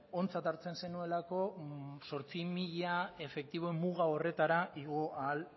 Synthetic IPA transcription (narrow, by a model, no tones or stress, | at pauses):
o̞nt͡sat̪aɾt͡se̞nse̞nue̞lako̞so̞ɾt͡simiʎae̞fe̞k̚t̪iβ̞oemːuɣao̞re̞t̪aɾaiɣ̞o̞ʔaːl